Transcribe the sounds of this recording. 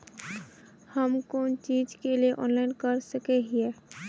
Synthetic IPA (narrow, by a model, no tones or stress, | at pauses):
həmkoːnt͡ʃid͡ʒkelieʔɔ̰ːnlaɪnkəɾsəkeɦiɛː